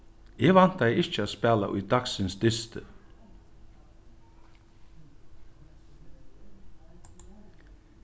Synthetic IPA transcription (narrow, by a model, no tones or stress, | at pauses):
eːɡʋan̥t̪ɛjɪt͡ʃːəaspɛːla̰ʔʊ̰jd̪aksɪnsd̪ɪst̪ə